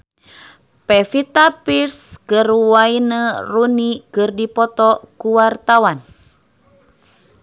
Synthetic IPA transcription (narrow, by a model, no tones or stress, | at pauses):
pefit̪apirskərwainərunikərdipɔt̪ɔkuwart̪awan